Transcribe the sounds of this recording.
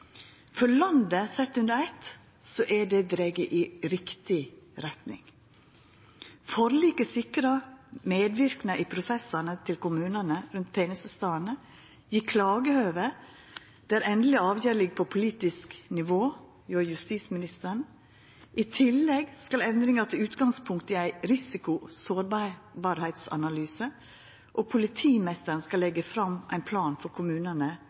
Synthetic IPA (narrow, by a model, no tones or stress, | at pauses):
fɔlɑnd̪əsɛt̪ːʉnd̪əɾɛt̪ | sɔʔæɖɛd̪ɾɛɡəʔiːɾɪkt̪ɪɾɛt̪nɪ̰ŋ | fɔɾliːkəsɪkɾɑmeːd̪ʋɪɾknəʔipʰɾʊsɛsɑnət̪ʰɪlkʊmʉːnənəɾʉnt̪t̪ʰenəsəst̪ɑːənə | jiːkʰlɑːɡəhøːʋə | d̪̥ɛæːɾɛnd̪lɪɑːʋjøːɾlɪɡ̚pʰopʰʊliːt̪ɪsknɪʋoː | joːjʉst̪iːsmɪnɪst̪əɳ̩ | ʔit̪ʰɪlːɛɡskɑlɛnd̪ɾɪŋɑt̪ʰɪlʉːt̪ɡɑŋspʰʊŋkt̪iæɪɾɪsɪkʊsoːɾbbɑːɾhæɪt̪sɑ̰nɑlyːsə | ʔopʰʊlɪt̪ʰiːmɛst̪əɾnskɑlːɛɡəfɾɑmʔæɪnpʰlɑːnfɔɾkʰʊmʉːnənə